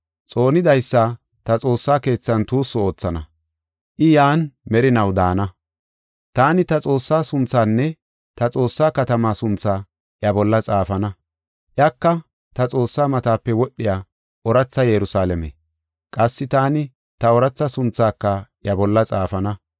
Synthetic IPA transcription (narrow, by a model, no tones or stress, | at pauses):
t͡sʼo̞ːnɪd̪ɐjsːa | t̪ɐt͡sʼo̞ːsːaːke̞ːt͡sːɐnt̪uːsːʊo̞ːt͡sːɐnɐ | ʔɪjaːnmɛɾɪnɐwd̪aːnɐ | t̪aːnɪt̪ɐt͡sʼo̞ːsːaːsʊnt͡sːaːnːɛ | t̪ɐt͡sʼo̞ːsːaːkɐt̪ɐmaːsʊnt͡sːaː | ʔjɐbɔlːɐt͡sʼaːfɐnɐ | ʔjakːɐ | t̪ɐt͡sʼo̞ːsːaːmɐt̪aːpːɛwɔɗːɪjaː | ʔɔɾɐt͡sːɐjɛɾʊsaːlɛmḛ | kʼɐsːɪt̪aːnɪ | t̪ɐɔɾɐt͡sːɐsʊnt͡sːaːkːɐʔjɐbɔlːɐt͡sʼaːfɐnɐ